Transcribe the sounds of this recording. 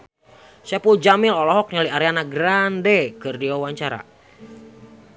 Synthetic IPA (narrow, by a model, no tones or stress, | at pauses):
sapuld͡ʒamɪlɔlɔɦɔk̚ɲaliaɾɛanaɡɾandɛkɨrdiwawaɲt͡ʃaɾa̰